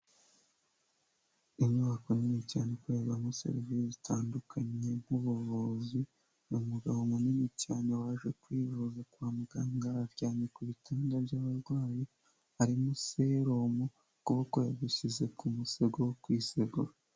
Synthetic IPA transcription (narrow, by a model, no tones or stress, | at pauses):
imɲuβakonimicaːnekweːβanosḛɾivizitʰaːndukʰaɲe̞ŋ̥uβuβuzi | numuɡaβomunimicaːɲewaːʒwe̞kwiːvuzakwaːmuɡaŋɡaːɾɟaːɲekuβitʰaːndaβɟaːβaɾɡwaːji | aɾimuseɾomo | kuβakojaβiʃize̞kumuseɡowokwiːseɡoɾa